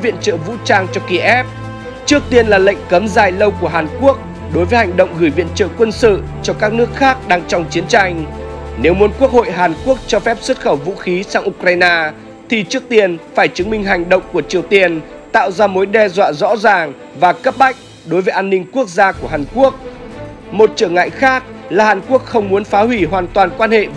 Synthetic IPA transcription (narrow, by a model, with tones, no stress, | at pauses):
vḭ˧˨ənt͡ɕə̰ː˧˨vṵ˧˥t͡ɕaː˧ŋt͡ɕɔ˧ki˧ʔɛ˦˥p̚ | t͡ɕɨ˦˥ək̚t̪i˧ənlaː˨˩lə̰˧˨jŋ̟kə˨˦mzaː˨˩jlə˧wku˧˩əɦaː˨˩nku˦˥ək̚ | ɗo˨˦jvəː˨˦jha˨˩jŋ̟ɗə̰˧˨wŋ͡mɣɨː˧˩jvḭ˧˨ənt͡ɕə̰ː˧˨kwə˧nsɨ̰˧˨ | t͡ɕɔ˧kaː˦˥k̚nɨ˦˥ək̚xaː˦˥k̚ɗaː˧ŋt͡ɕɔ˧wŋ͡mt͡ɕi˨˦ənt͡ɕa˧jŋ̟ne˨˦wmu˨˦ənku˦˥ək̚ho̰˧˨jɦaː˨˩nku˦˥ək̚t͡ɕɔ˧fɛ˦˥p̚sə˦˥t̚xə˧˩wvṵ˧˥xi˨˦saː˧ŋʔu˧kɾaː˧jnaː˧ | t̪ʰi˨˩t͡ɕɨ˦˥ək̚t̪i˧ənfaː˧˩jt͡ɕɨ˨˦ŋmï˧ŋ̟ɦa˨˩jŋ̟ɗə̰˧˨wŋ͡mku˧˩ət͡ɕi˨˩əwt̪i˧˩ən | t̪a̰ː˧˨wzaː˧mo˨˦jɗɛ˧zwa̰ː˧˨zɔ̰˧˥zaː˨˩ŋ | vaː˨˩kə˦˥p̚ɓa˦˥jk̟̚ | ɗo˨˦jvəː˨˦jʔaː˧nːï˧ŋ̟ku˦˥ək̚zaː˧ku˧˩əhaː˨˩nku˦˥ək̚ | mo˨˩t̚t͡ɕəː˧˩ŋa̰ː˧˨jxaː˦˥k̚laː˨˩haː˨˩nku˦˥ək̚xə˧wŋ͡mmu˨˦ənfaː˨˦ɦwi˧˩ɦwaː˨˩nt̪waː˨˩nkwaː˧nhḛ˧˨